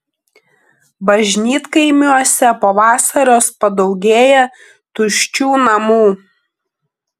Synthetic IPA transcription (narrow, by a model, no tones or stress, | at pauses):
bɐʒʲnʲiːt̪kɐɪmʲuɔsʲɛpoːʋɑːsɐɾʲoːspɐd̪ɒʊɡʲeːjɛ | t̪ʊʃʲt͡ʃʲuːnɐmuː